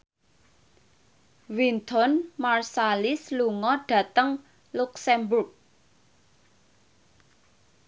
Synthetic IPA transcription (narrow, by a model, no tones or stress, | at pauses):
wint̪ɔnmarsalɪsluŋɔɖ̥ä̤t̪əŋ | luksɛmburk̚